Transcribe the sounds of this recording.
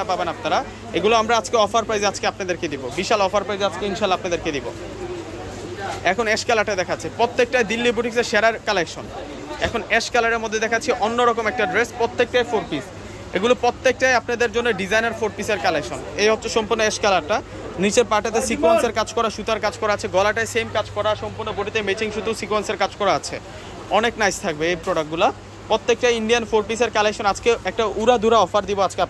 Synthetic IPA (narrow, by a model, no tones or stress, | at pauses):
apabenap̚naɾa | eɡuloamɾaad͡ʑkeɔfaɾpɾajzead͡ʑkeapnad̪eɾked̪ibobiʃalɔfaɾpɾajzead͡ʑkeinʃalaapnad̪eɾked̪ibo̰ | ɛkʰonɛʃkalaʈad̪ɛkʰaːipɾot̪ːek̚ʈajd̪ilːibuʈikseʃeɾaɾkalekʃon | ɛ̰kʰonɛʃkalaɾeɾmod̪ʱːed̪ɛkʰaːt͡ɕʰiʔonːoɾɔkomɛk̚ʈaɖɾespɾot̪ːek̚ʈajfoɾpis | eɡulopɾot̪ːek̚ʈajapnad̪eɾd͡ʑonːeɖid͡ʑajnaɾfoɾpiseɾkalekʃonejotːɕʰoʃɔmpuɾnoɛʃkalaɾʈa | nit͡ɕeɾpaɾʈat̪̬esikuenseɾkad͡ʑkɔɾaʃut̪aɾkad͡ʑkɔɾaat͡ɕʰeɡɔlaʈajsemkad͡ʑkɔɾaʃɔmpuɾnoboʈit̪emet͡ɕiŋʃut̪usikuenseɾkad͡ʑkɔɾaat͡ɕʰḛ | ɔneknajst̪ʰak̚beejpɾoɽak̚ɡula | pɾot̪ːek̚ʈajiɳɖianfoɾpiseɾkalekʃonad͡ʑkeɛk̚ʈauɾad̪ʱuɾaɔfaɾd̪iboad͡ʑkeap